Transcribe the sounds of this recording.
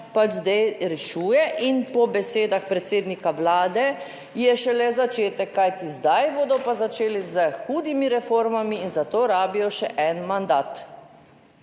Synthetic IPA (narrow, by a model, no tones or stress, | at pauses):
pad͡ʒzd̪ɛjɾɛʃuːjɛʔinpɔbɛseːd̪axpɾɛt̪seːd̪nikaʋlaːd̪ɛ | jɛʃɛlɛzat͡ʃeːt̪ɛkːajt̪izd̪ajboːd̪ɔpazat͡ʃeːlizəxuːd̪imiɾɛfoːɾmamiːnzat̪oːɾaːbijɔʃɛʔɛnmand̪aːt̪